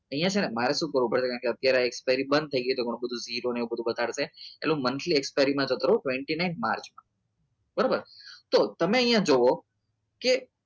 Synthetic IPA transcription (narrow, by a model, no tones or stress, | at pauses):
əɦijãt͡ʃʰenemaɾeʃũːkəɾʋũpəɽt͡ʃʰekãːkeət̪jaɾeekspajɾibənd̪̚t̪ʰəiɡəjut̪oɡoɳ̃ũbəd̪ʱũziɾoneũbəd̪ʱubəd̪aɽseḛlũmənt̪ʰliekspajɾimãd͡ʒot̪əɾũʈʋeɳʈinaɪnma̰ɾt͡ʃmã | bəɾabəɾt̪ot̪əmeəɦĩjãd͡ʒoʋo | ke